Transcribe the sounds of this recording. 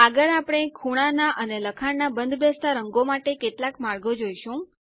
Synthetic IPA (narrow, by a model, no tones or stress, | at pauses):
əɡəɾapɽ̃ekʰuɽ̃anaʔəneləkʰaɳnabənd̪ʱbʱest̪aɾəŋɡomaʈekeʈlakmaɭɡod͡ʒojʃũ